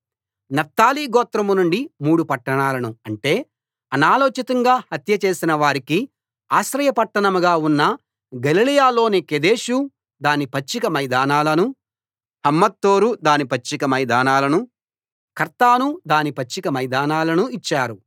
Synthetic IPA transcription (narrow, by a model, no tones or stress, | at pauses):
nɐft̪aːliːɡɔːt̪ɾɐmunuɳɖimuːɽupɐʈːɐɳaːlɐnuɐɳʈe̞ː | ɐnaːloːt͡ʃit̪ɐŋɡaːhɐt̪jɐt͡ʃe̞ːsinɐʋaːɾiki | aːʃɾɐjɐpɐʈːɐɳɐmuɡaːunːɐ | ɡɐlilijaːlo̞ːneked̪e̞ːʃu | d̪aːnipɐt͡ʃːikɐmɐjd̪aːnaːlɐnu | hɐmːɐt̪ːoːɾud̪aːnipɐt͡ʃːikɐmɐjd̪aːnaːlɐnu | kɐɾt̪aːnud̪aːnipɐt͡ʃːikɐmɐjd̪aːnaːlɐnuit͡ʃːaːɾu